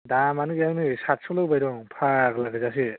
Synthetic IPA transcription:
damanɯɡjanɯsat̚sɔlɯwbajɾɔŋpʰaklakʰɯzas̬i

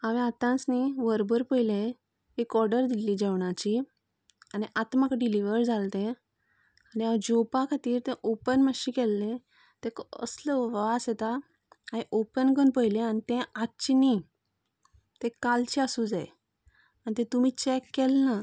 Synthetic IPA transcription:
aʋẽat̪ãsniʋəɾbəɾpəjlẽ | ekɔɾɖəɾd̪iliːd͡ʑɛʋɳ̃at͡ɕi | aniʔat̪makɖiliʋəɾd͡zalt̪ẽ | aniad͡ʑopakʰat̪iːɾt̪ɛ̃ʔopənməɕĩkɛlːẽ | t̪ɛ̃kə̰sləʋasɛt̪a | aĩʔopənɡənpəjlẽanit̪ɛ̃at͡ɕini | t̪ɛ̃kalt͡ɕiasud͡zaj | anit̪ɛ̃t̪umiːt͡ɕɛkːɛlna

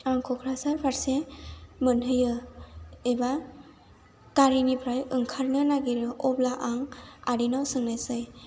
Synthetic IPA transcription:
aŋkʰɔkʰɾasaɾpʰaɾsemɯnɦɯjɯ | eba | kaɾinipʰɾajɯŋkʰaɾnɯnaɡiɾɯʔɔblaʔaŋaɾinawsɯŋnajsɯj

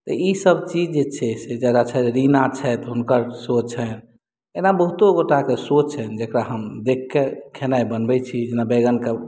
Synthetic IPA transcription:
t̪ə̰isəbt͡ʃid͡ʒd͡ʒet͡ʃʰɛsed͡ʒəɡat͡ʃʰɛeɾinat͡ʃʰɛt̪ɦunkəɾsot͡ʃt͡ʃʰɛn | enabəɦut̪oɡoʈakesot͡ʃt͡ʃʰɛnd͡ʒekɾaɦəmd̪ekʰːekʰenajbənbɛt͡ʃʰid͡ʒenabeɡənke

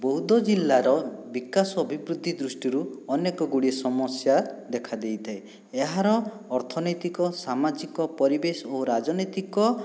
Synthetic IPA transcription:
bɔɦud̪ɔd͡ʒilːaɾɔbikasɔɔbʱibɾud̪ʱːid̪ɾusʈiɾuɔnekɔɡuɽisɔmɔsjad̪ekʰad̪ejt̪ʰae | eɦaɾɔː | ɾt̪ʰɔnɔjt̪ikɔsamad͡ʒikɔpɔɾibesɔoɾad͡ʒɔnɔjt̪ikɔ

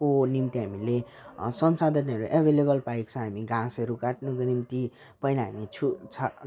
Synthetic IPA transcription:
konimt̪iɦamile | sʌnsad̪ʱʌnʌɾuʔebʱelebʌlpajkt͡sʰʌ̃ɦamiɡãsʌɾukaʈnukonimt̪i | pʌjnaɦa̰mit͡sʰut͡sʰa

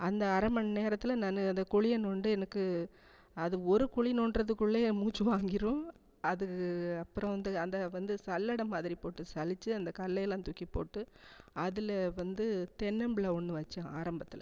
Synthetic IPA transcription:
ɐnd̪ɐɐɾɐmɐnneːɾɐt̪ːɪlɐnɐnːɯɐnd̪ɐkʊɻɪjɐnɔɳɖɯɛnɐkːɯ | ɐðɯɔɾɯkʊɭinɔɳɖrɐðɯkːʊɭːeːmuːt͡ʃːɯʋaːŋɡɪɾɯ̃ | ɐðɯɯɐpːɯɾɔ̃ʋɐnd̪ɯɐnd̪ɐʋɐnd̪ɯsɐlːɐɽɐmaːðɪɾipoːʈːɯsɐlɪt͡ʃːɯɐnd̪ɐkɐlːɐjɐlãːnt̪ʊkːipːo̰ːʈːɯɐðɪlʋɐnd̪ɯt̪ɛnːɐmbɪɭɐɔɳːɯʋɐt͡ʃːɐ̃aːɾɐmbɐt̪ːɪlɐ

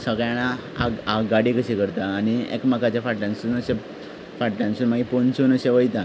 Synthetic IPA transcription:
səɡɭjaña | aaɡaɽikəɕikəɾt̪aːñiḛkmakat͡ɕjafaʈlãnsunəɕe | faʈlãnsuːnmaɡipont͡ɕuːnəɕẽʋəjt̪ã

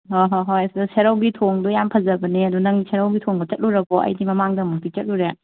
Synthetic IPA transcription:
hoɦoɦojɐsidɐseɾɐwɡitʰoŋdujampʰɐzɐbɐniɐdunɐŋisʰeɾɐwɡitʰoŋbɐt͡ʃɐt̚luɾɐkoɐ̰jdimɐmaŋdɐmɐk̚tit͡ʃɐt̚luɾe

